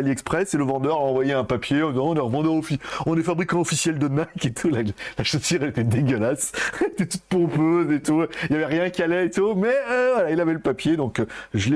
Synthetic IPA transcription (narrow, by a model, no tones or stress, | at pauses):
liɛkspχɛseləvɑ̃d̪œʁaɑ̃vwajeɛ̃papjeɔ̃d̪izɑ̃ɔ̃nɛʁəvɑ̃d̪yaɔfiɔ̃nɛfabʁikɑ̃ɔfisjɛld̪ənaket̪ʰulalaʃosyʁɛlet̪ɛd̪eɡʲəlaslet̪ɛt̪ut̪̚pɔ̃pøzet̪uiljavɛʁjɛ̃kʲialɛet̪umɛvwalailavɛləpapjed̪ɔ̃kʒəle